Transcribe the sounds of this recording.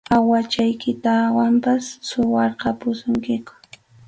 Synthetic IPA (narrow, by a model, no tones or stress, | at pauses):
awat͡ʃajkɪt̪awampasːʊwɑɾqɑpʊsʊŋkɪkʊ̥